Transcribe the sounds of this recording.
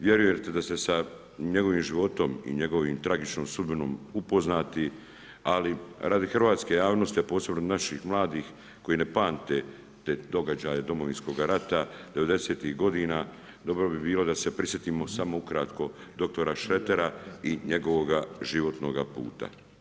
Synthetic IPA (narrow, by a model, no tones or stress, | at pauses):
ʋje̞ɾujet̪ed̪ast̪esa | ɲe̞ɡo̞ʋiːmʒiʋo̞t̪o̞mḭɲe̞ɡo̞ʋiːmt̪ɾaɡit͡ʃnoːmsud̪bino̞ːmupo̞znaːt̪i | aliɾaːd̪ixr̩ʋaːt̪ske̞jaːʋno̞st̪ijepo̞ːse̞bnonaʃixmlˠaːd̪iːx | ko̞jine̞paːnt̪e̞ | t̪eːd̪o̞ɡad͡ʑaːjed̪o̞mo̞ʋinsko̞ɡaɾat̪ad̪e̞ʋe̞d̪e̞seːt̪iɣɡo̞d̪iːnaː | d̪o̞bɾo̞bibiːlo̞d̪ase̞pɾisje̞t̪imo̞samo̞ukɾat̪ko̞d̪o̞k̚t̪o̞ɾaʃe̞t̪e̞ɾaiɲe̞ɡo̞ʋoɡaʒiʋo̞t̪no̞ːɡapṵːt̪a̰